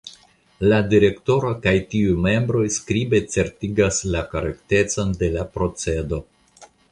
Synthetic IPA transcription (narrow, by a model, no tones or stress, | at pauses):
ladiɾe̞kto̞ɾokajtiujme̞mbɾo̞jskɾibe̞t͡se̞ɾtiɡaslakaɾekte̞t͡sonde̞lapɾo̞t͡se̞do̞